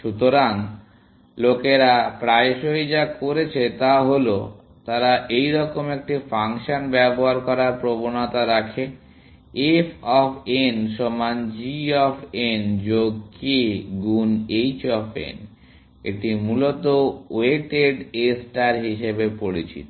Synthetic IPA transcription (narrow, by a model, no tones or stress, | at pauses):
ʃut̪oɾan | lokeɾapɾaeʃojd͡ʑakoɾet͡ɕʰet̪aɦolo | t̪aɾaʔejɾɔkomek̚ʈifaŋʃanbɛboɦaɾkɔɾaɾpɾobonat̪aɾakʰe | efʰɔpʰenʃɔmand͡ʑiɔpʰend͡ʑoɡkeɡunejt͡ɕɔpʰḛn | ḛʈimulot̪oeʈeɖesʈaɾɦiʃebepoɾit͡ɕḭt̪o